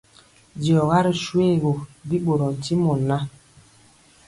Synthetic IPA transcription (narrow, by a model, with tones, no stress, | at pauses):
dɔ˨ɣa˦ɾi˨ʃwe˦˨ɣo˨bi˦ɓo˨ɾɔ˨n̩˨ti˦mɔ˨na˦